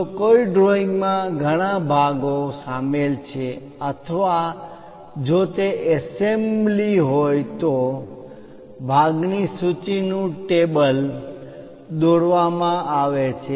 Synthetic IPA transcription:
koiɖɾoiŋɡmãɡʱəɽ̃abʱaɡosamelt͡ʃʰe | ət̪ʰəʋa | d͡ʒot̪eɛsembliɦojt̪o | bʱaɡnisut͡ʃinũʈebəl | d̪oɾʋamãʔaʋet͡ʃʰe

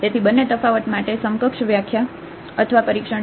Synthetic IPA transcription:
t̪et̪ʰibənːet̪əfaʋət̪maʈesəŋkəkʃʋjakʰja | ət̪ʰəʋapəɾikʂə

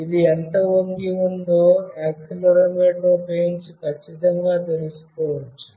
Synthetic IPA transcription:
id̪iɛnt̪ɐʋoŋɡiund̪oːaːkːulɐɾɐmeːʈloːpeːnskɐt͡ʃːit̪ɐŋɡaːt̪eɾisu̥kɔːʋɐt͡ʃːu̥

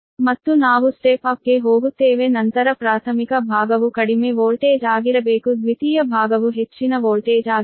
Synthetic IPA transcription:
mɐt̪ːunaːʋusʈeːpaːp̚keːɦoːɡut̪eːʋenɐnt̪ɐɾɐpɾaːt̪ʰɐmikɐbʱaːɡɐʋukɐɽimeʋoːɭʈeːd͡ʒaːɡiɾɐbeːkud̪ʋit̪iːjɐbʱaːɡɐʋuɦet͡ʃːinɐʋoːɭʈeːd͡ʒaːɡ

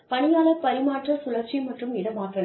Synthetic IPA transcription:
pɐɳɪjaːlɐpɐɾɪmaːʈrɐsʊlɐt͡ʃːimɐʈrɯmɪɽɐmaːʈrɐð

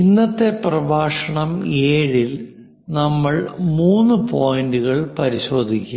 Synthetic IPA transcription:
inːɐt̪ːe̞prɐbʱaːʂɐɳɐmeːɻil | nɐmːɐɭmuːnːupoːjɐndɨɣɐɭpɐɾiɕo̞ːd̪ʱikʲːu

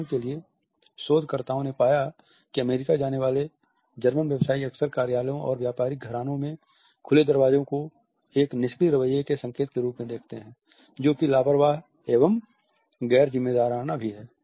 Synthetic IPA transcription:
kelie | soːd̪ʱkəɾt̪aːõnepaːja | kiɐmeːɾɪkad͡ʒaːneʋaːle | d͡ʒɐɾmənʋjəʋsaːiɐksəɾkaːɾjaːljõʔɔ̰ːɾʋjaːpaːɾɪɡʱɐɾaːnõmẽ | kʰʊled̪ɐɾʋaːd͡ʒõko | eːknɪskiɾɐʋəjːekesə̃ŋkeːt̪keɾuːpmẽd̪eːkʰt̪eɦɛ̃ː | d͡ʒoːkilaːpɾʋaːɦ | eːʋəm | ɡɛːɾzɪmːeːd̪aːɾaːnabʱiɦɛː

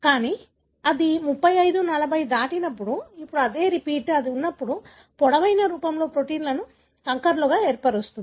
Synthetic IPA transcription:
kaːniː | ɐd̪imupːɐjɐjd̪unɐlɐbʱɐjd̪aːʈinɐpːuɽuipːuɽuɐd̪e̞ːɾipiːʈːɐd̪iunːɐpːuɽu | pɔɽɐʋɐjnɐɾuːpɐmlo̞ːpɾo̞ʈiːnlɐnu | kɐŋkɐɾluɡaːeːɾpɐʈost̪und̪i

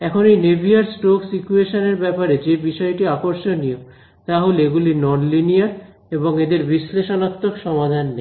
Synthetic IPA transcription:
ɛkʰonejnebʱiaɾsʈoksit͡ɕueʃoneɾbɛpaɾed͡ʑebiʃɔeʈiakoɾʃonio | t̪aɦoleeɡulinɔnlinijaɾ | eboŋed̪eɾbiʃleʃonat̪ːokʃɔmad̪ʱanːe

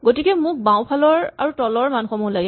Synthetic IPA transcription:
ɡotikɛmʊk̚bãw̃pʰalɔɹaɹutɔlɔɹmanxɔmulaɡɛ

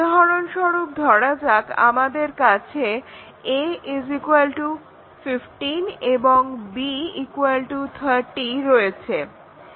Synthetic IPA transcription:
ɔɾonʃɔɾub̚d̪ʱɔɽad͡ʑaka̰mad̪eɾkat͡ɕʰe | eezikualʈu | fifʈineboŋbiikualʈut̪ʰaɾʈiɾojet͡ɕʰe

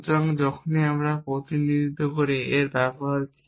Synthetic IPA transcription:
d͡ʒaŋd͡ʒɔkʰoniamɾapɾot̪inid̪ʱid̪ʱːɔkoɾieɾbɛbaɾ

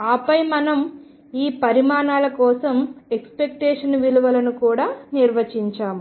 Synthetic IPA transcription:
aːpɐjmɐnɐm | iːpɐɾimaːnaːlɐkɔːsɐmekspek̚ʈeːʂɐnʋiluʋɐlɐnukuːɽaːniɾʋɐt͡ʃiɲt͡ʃaːmu

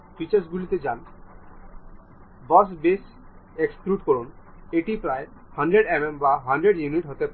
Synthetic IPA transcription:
fit͡ɕaɾsɡulit̪ed͡ʑan | bɔs̬bes | ekskɾuʈkɔɾun | eʈipɾae | hɐɳɖɾeɖemembaɦɐɳɖɾeɖjuniʈɦot̪epaɾe

